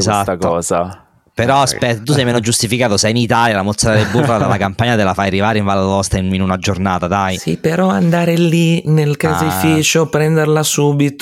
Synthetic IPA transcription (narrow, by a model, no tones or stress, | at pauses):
ezat̪ak̪ɔːza̰ | peɾɔaspɛt̪ːot̪us̬ɛjmɛːnod͡ʒust̪ifikaːt̪osɛjinit̪aljalamot̪sːaɾad̪ebːurlad̪alakampaɲːat̪elafajarivaːɾeiɱvalalɔst̪aininunad͡ʒornaːt̪ad̪ajsḭpeɾɔand̪aːɾelinelkazefit͡ʃopɾɛnd̪eɾlasuːbit̪o